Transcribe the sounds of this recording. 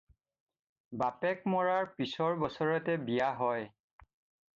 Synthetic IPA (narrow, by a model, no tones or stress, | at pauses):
bapɛk̚mɔɹaɹpisɔɹbɔsɔɹɔtɛbijaɦɔj